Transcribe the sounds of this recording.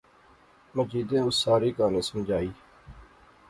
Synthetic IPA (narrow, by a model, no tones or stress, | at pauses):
məd͡ʒiːd̪ẽːʊsːaːɾiːkaːnẽːsəmd͡ʒaːiː